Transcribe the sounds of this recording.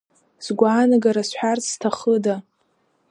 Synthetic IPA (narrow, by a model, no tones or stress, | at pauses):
z̥ɡʷaːnaɡaɾasħʷᶣarstʰaχəda